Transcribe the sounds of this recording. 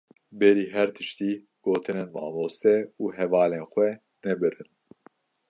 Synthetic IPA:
bɛɾiːɦɛɾt̪ʰɨʃt̪iː | ɡ̥oːt̪ʰɨneːnmɑ̰ːmoːst̪ɛuːɦɛvɑːleːnxʷɛ | nɛbɨɾɨn

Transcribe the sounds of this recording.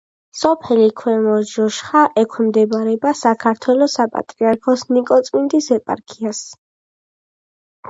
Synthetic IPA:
sɔpʰɛlikʰwɛmɔʒɔʃχaʔɛkʷʰmd̪ɛbaɾɛbasakʰaɾt̪ʰwɛlɔsapʼa̰t̪ʼɾiaɾkʰɔsnikʼɔt̪sʼmind̪isɛpʼa̰ɾkʰias

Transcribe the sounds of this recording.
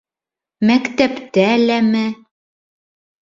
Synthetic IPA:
mækt̪æpt̪ælæmɘ

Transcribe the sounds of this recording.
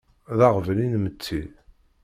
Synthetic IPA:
ðaʁvəninmət͡sːi

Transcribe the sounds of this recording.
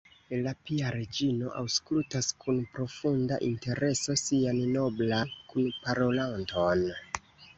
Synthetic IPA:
elapiaɾed͡ʒino̞ʔa̰wsklutaskʰunpɾo̞funda̰ʔinte̞ɾʔe̞so̞sianno̞blankunpaɾo̞lanto̞n

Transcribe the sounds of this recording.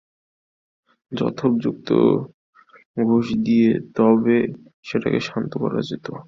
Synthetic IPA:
d͡ʑɔ̰t̪ʰob̚d͡ʑuk̚t̪o̰ | ɡʱoʃd̪iet̪ɔbe | ʃeʈakeʃant̪okɔɾa̰d͡ʑet̪o

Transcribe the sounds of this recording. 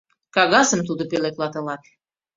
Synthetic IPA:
kɑɣɑsəmt̪ud̪opelek̪lɑt̪ɤ̆lɑt̪̚

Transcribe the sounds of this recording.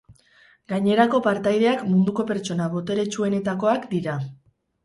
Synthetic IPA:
ɡaɲe̞ɾako̞paɾt̪ajðe̞akmund̪uko̞pe̞ɾt͡ʃo̞naβo̞t̪e̞ɾe̞t͡ʃue̞ne̞t̪ako̞akd̪iɾa

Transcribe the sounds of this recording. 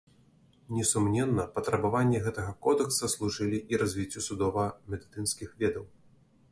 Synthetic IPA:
nʲɛsumnʲɛnːɐpɐt̪ɾɐbavanʲːiɣɛt̪ɐɣɐkɔd̪ɛksɐslˠuʐɨlʲiʔiɾɐzʲvʲit͡sʲːusud̪ɔvɐmʲɛd̪ɨt̪ɨnskʲixvʲɛd̪ɐw

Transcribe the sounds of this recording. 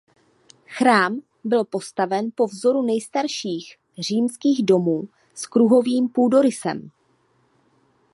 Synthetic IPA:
xɾaːm | bɪlpo̞st̪avɛnpo̞vzo̞ɾunɛjst̪aɾʃiːx | r̝iːmskiːɣdo̞muː | skɾuɦo̞viːmpuːdo̞ɾɪsɛ̰m

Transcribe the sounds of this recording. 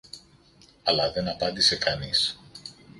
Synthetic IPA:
ɐlɐðe̞nɐpɐnd̪ise̞kɐnis

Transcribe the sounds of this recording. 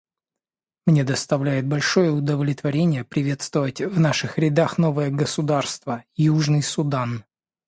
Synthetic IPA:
mnʲed̪əst̪ɐvlʲæjɪt̪̚bɐlʲʂo̞jəʊd̪əvlʲɪt̪vɐɾʲenʲɪjəpɾʲɪvʲe̞t̪st̪vəvətʲvnaʂɨxɾʲɪd̪axn̪o̞vɨjəɡəsʊd̪arst̪vəjuʐnɨjsʊd̪an

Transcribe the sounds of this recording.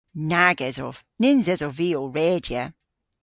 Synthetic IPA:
naɡɛzɔv̥ | nɪnzɛzɔviːoɹɛːd͡ʒiə

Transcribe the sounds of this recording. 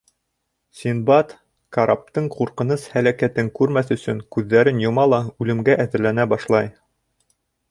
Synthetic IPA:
sʲinbɑt̪ | kaɾap̚t̪ɤɴquɾqɤ̆nɤshælækæt̪ɘŋkʉɾmæθɵ̆sɵŋkʉðːæɾɘnjŏmɑlˠɑʉlɘ̆mɡæʔæðɘ̆ɾlænæbɑʃlˠɑj

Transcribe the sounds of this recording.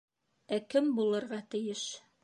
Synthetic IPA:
ækɘmbulˠɤ̆ɾʁɑt̪ɘ̆jɘʃ

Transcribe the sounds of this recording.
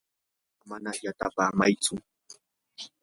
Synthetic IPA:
manajat̪apaːmajt͡sʊ

